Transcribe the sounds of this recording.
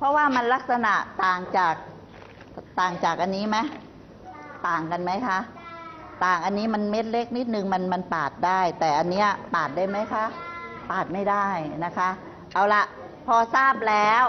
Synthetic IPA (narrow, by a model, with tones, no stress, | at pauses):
pʰɔ˦˧˥waː˥˩ma˧nla˦˥k̚sa˧na˨˩ʔt̪aː˨˩ŋt͡ɕaː˨˩k̚ | t̪aː˨˩ŋt͡ɕaː˨˩k̚ʔa˧nːiː˦˥ma˦˥j | t̪aː˨˩ŋka˧nma˦˥jkʰa˦˥ | t̪aː˨˩ŋʔa˧nːiː˦˥ma˧nme˦˥t̪̚le˦˥k̚ni˦˥t̪̚nɯ˧ŋma˧nma˧np̪aː˨˩t̪̚da˥˩jt̪ɛː˨˩ʔa˧nːi˦˥ɐp̪aː˨˩t̪̚daː˥˩jma˦˥jkʰa˦˥ | paː˨˩t̪̚ma˥˩jda˥˩jna˦˥kʰa˦˥ʔ | ʔa˧˩wla˧ʔ | pʰɔː˧saː˥˩p̚lɛː˦˥w